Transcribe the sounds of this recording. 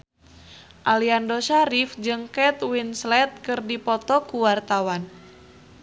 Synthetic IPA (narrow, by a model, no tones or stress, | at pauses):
ʔaliandoʃaɾifd͡ʒɨŋkɛt̪winslɛt̪̚kɨrdipɔt̪ɔkuwart̪awan